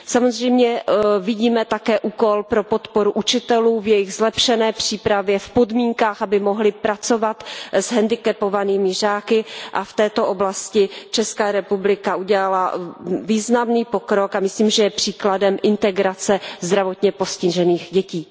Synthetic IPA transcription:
samozr̝ɛjmɲɛvɪɟiːmɛt̪akɛːʔuːko̞lpɾo̞po̞t̪po̞ɾuʔut͡ʃɪt̪ɛluːvjɛjɪɣzlɛpʃɛnɛːpr̝̥iːpɾavjɛfpo̞dmiːŋkaːxʔabɪmoɦlɪpɾat͡so̞vat̪zɦɛndɪkɛpovaniːmɪr̝aːkɪʔaft̪ɛːt̪o̞ʔoblascɪt͡ʃɛskaːɾɛpublɪkaʔuɟɛlalaviːznamniːpo̞kɾokamɪsliːmʒɛjɛpr̝̥iːkladɛmʔɪnt̪ɛɡɾat͡sɛzd̪ɾavo̞t̪ɲɛpo̞scɪʒɛniːxɟɛciː

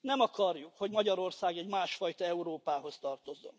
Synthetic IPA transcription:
nɛmɒkɒrjukho̞ɟmɒɟɒɾo̞rsaːɡɛɟmaːʃfɒjt̪ɒɛuɾoːpaːɦo̞st̪ɒrt̪o̞zːo̞̰n

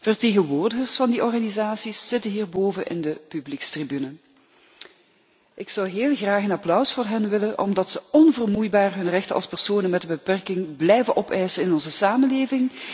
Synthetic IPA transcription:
v̥ərteːɣənʋoːrdəɣərsfɑndiʔɔrɣanizaːsisːɪtənɦiːrboːvənʔɪ̰ndəpyblikstribynə | ʔɪksɑwɦeːlˠɣraːxənɑplœwsfʊːrɦɛnʋɪlənʔɔ̰mdɑtsəɔnvərmujbaːrɦɵnrɛxtənʔɑ̰lˠspɛrsoːnənmɛtdəbəpɛrkɪŋblɛjvənʔɔpɛjsənɪnɔnzəsaːməleːvɪŋ

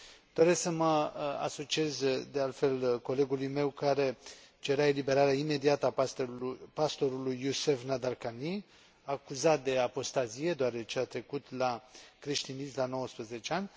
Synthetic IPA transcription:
d̪̥o̞ɾe̞ssəməa̰so̞t͡ʃie̞zd̪e̞alt̪fe̞lko̞le̞ɡulujme̞wkaɾe̞t͡ʃeɾae̞libe̞ɾaɾeaime̞d̪iat̪əa | past̪o̞ɾulujːuse̞fnad̪arkani | akuzat̪̚d̪e̞apo̞st̪azije̞d̪oaɾe̞t͡ʃeat̪ɾe̞kut̪lakɾeʃt̪inislano̞wəspɾəze̞t͡ʃeanʲ

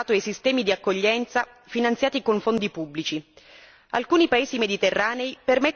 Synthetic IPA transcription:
aːt̪oejsist̪ɛːmid̪iakːoʎːɛnt̪sa | finant̪sjaːt̪ikoɱfond̪ipubːlit͡ʃi | a̰lkuːnipaeːzimed̪it̪erːaːneipermet̪ː

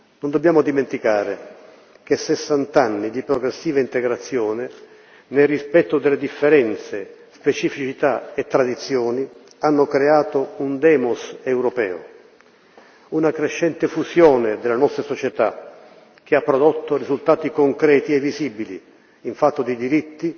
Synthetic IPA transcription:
nõnd̪obːjaːmʊd̪iment̪ikaːɾe | k̟esːesːant̪anːid̪ipɾɔɡɾesːiːvaint̪eɡɾat̪sːjɔːnɪ | nelrːispɛt̪ːʊd̪elːed̪ifːeɾɛnt̪sespet͡ʃifit͡ʃit̪aet̪ːɾad̪it̪sːjɔːni | anːokɾeaːt̪ound̪ɛːmosɛwɾɔpɛ̰ːo̰ | unakɾeʃːɛnt̪ɪfusjɔːned̪elːanɔst̪ɾasɔt͡ʃɛt̪a | k̟eapːɾod̪ɔt̪ːorizult̪aːt̪ikoŋkɾɛːt̪iɛvːiziːbilḭː | ɱfat̪ːod̪id̪iɾit̪ːi

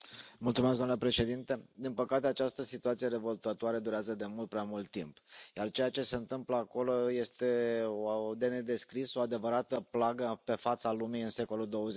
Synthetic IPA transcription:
mult̪sumesɡ̪oamnlepɾe̞ʃe̞d̪int̪e̞d̪inpəkat̪e̞at͡ʃast̪əsit̪uat̪sije̞ɾe̞vo̞lt̪at̪uaɾed̪uɾeazəd̪e̞mult̪̚pɾeamult̪ːimpjart͡ʃe̞jat͡ʃe̞se̞ɨnt̪ɨmpləako̞lo̞je̞st̪e̞od̪e̞ned̪e̞skɾiso̞ad̪e̞vəɾat̪əplaɡəpe̞fat̪salumiɨnse̞ko̞luld̪o̞wəze

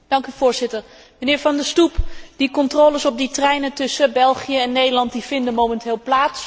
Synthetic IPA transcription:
d̥ɑŋkyv̥ʊːɹzɪtəɹ | mənɪːɹvɑndəstupd̥ikɔntroːləsɔb̚ditrɛjnəntɵsəbɛlˠχijəɛnːejdəɹlɑnt̚div̥ɪndəmowmɛntɪːlˠplaːts

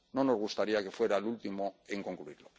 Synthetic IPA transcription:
no̞no̞zɣ̞ust̪aɾiake̞fwe̞ɾalult̪imo̞eŋko̞ŋkluiɾlo̞

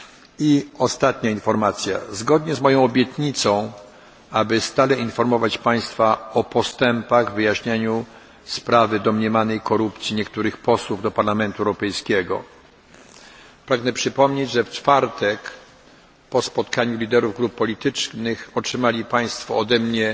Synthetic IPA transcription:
iɔst̪at̪ɲainfɔɾmat̪sʲja̰zɡɔd̪ɲɛzmɔjɔ̃w̃ɔbʲjɛt̪ɲit̪sɔ̃w̃ | abɘst̪alɛinfɔɾmɔvat͡ɕpaj̃st̪faɔpɔst̪ɛmpaɣvɘjaɕɲaɲu | spɾavɘd̪ɔmɲɛmanɛjkɔɾupt̪sʲjiɲɛkt̪uɾɘxpɔswuvd̪ɔpaɾlamɛnt̪uɛwɾɔpɛjskʲɛɡɔ̰ | pɾaɡnɛpʂɘpɔmɲed͡ʑʐɛft͡ʂfaɾt̪ɛk | pɔspɔt̪kaɲulʲid̪ɛɾuvɡɾupːɔlʲit̪ɘt͡ʂnɘxɔtʂɘmalʲipaj̃st̪fɔɔd̪ɛmɲɛ

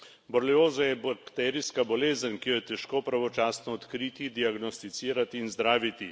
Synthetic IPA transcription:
bɔɾlioːzajɛbakt̪ɛɾijskabɔleːzənkijɔjɛt̪ɛʃkoːpɾaʋɔt͡ʃaːsnɔːt̪kɾiːt̪id̪iaɡnɔst̪it̪siːɾat̪iːnzd̪ɾaːʋit̪i

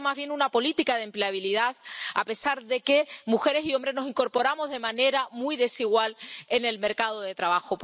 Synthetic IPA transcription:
mazβ̞jenunapo̞lit̪ikað̞e̞mpleaβ̞iliðaða̰pe̞saɾðe̞ke̞muxe̞ɾesio̞mbɾe̞znosiŋko̞ɾpo̞ɾamo̞zðe̞mãne̞ɾamujðe̞siɣwale̞ne̞lme̞ɾkað̞o̞ðe̞t̪ɾaβaxop

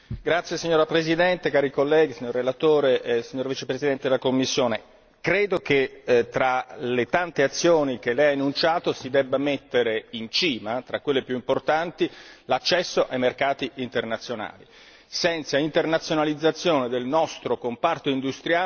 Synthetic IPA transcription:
ɡɾat̪sːjesiɲːoːɾapɾezid̪ɛnt̪ekaːɾikolːɛːɡisiɲːoɾːelat̪oːɾeʔsiɲːoːɾvit͡ʃepɾezid̪ɛnt̪ed̪elakomːisːjoːne | kɾeːd̪oket̪ɾalet̪ant̪eat̪sːjoːnik̟elːɛjanːunt͡ʃaːt̪osid̪ɛbːamet̪ːeɾeint͡ʃiːmat̪ɾakːwelːepjuimport̪ant̪ilat͡ʃːɛsːoʔajmerkaːt̪iʔint̪ernat̪sːjona̰ːli | sɛnt̪saint̪ernat̪sjonalid̪zːat̪sːjoːned̪elnɔst̪ɾokompart̪oind̪ust̪ɾjaː

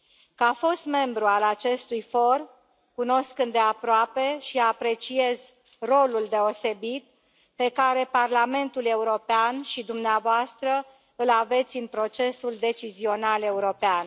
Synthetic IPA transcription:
kəafo̞st̪me̞mbɾualat͡ʃe̞st̪ujfo̞r | kuno̞skɨnd̪e̞apɾoape̞ʃiapɾe̞t͡ʃie̞z | ro̞luld̪e̞o̞se̞bit̪̚ | pe̞kaɾe̞parlame̞nt̪ule̞uɾo̞peanʃid̪umneavoast̪ɾə | ɨlave̞t̪sʲɨnpɾo̞t͡ʃe̞suld̪e̞t͡ʃizio̞nale̞uɾo̞pean

